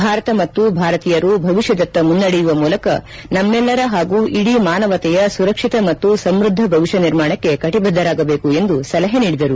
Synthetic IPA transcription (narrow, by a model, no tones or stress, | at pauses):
bʱaːɾɐt̪ɐmɐt̪ːubʱaːɾɐt̪iːjɐɾubʱɐʋiʃjɐd̪ɐt̪ːɐmunːɐɽɛjuʋɐmuːlɐkɐ | nɐmːɛlːɐɾɐɦaːɡuːʔiɽimaːnɐʋɐt̪ɛjɐsuɾɐkʂit̪ɐmɐt̪ːusɐmɾud̪ʱːɐbʱɐʋiʃɐniɾmaːɳɐkːe̞kɐʈibʱɐd̪ːɐɾaːɡɐbeːkue̞nd̪usɐlɐɦɐniːɽid̪ɐɾu